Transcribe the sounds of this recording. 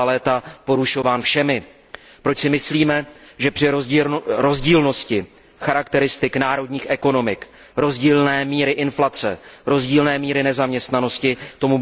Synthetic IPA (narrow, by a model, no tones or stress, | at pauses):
lɛːt̪apo̞ɾuʃo̞vaːnfʃɛmɪ | pɾo̞t͡ʃsɪmɪsliːmɛʒɛpr̝̥ɪɾo̞zɟiːlno̞scɪ | xaɾakt̪ɛɾɪst̪ɪknaːɾo̞dɲiːxʔɛko̞no̞mɪk | ɾo̞zɟiːlnɛːmiːɾɪʔɪnflat͡sɛɾo̞zɟiːlnɛːmiːɾɪnɛzamɲɛst̪nano̞scɪt̪o̞mu